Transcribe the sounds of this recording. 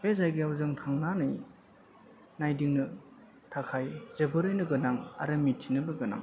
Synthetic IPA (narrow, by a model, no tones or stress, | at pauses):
bezajɡiawzɯŋtʰaŋnanɯj | najdiŋnɯ | tʰakʰajzebɯɾɯjnɯɡɯnaŋa̰ɾɯmitʰːinɯbɯɡɯna̰ŋ